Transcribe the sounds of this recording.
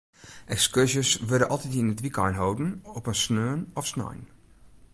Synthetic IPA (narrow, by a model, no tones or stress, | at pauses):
ʔɛkskøzjəsʋøɾəʔɔlˠtitinətʋikʰajnɦowdən̩ɔpənsnøːənɔfsnɔ̰jn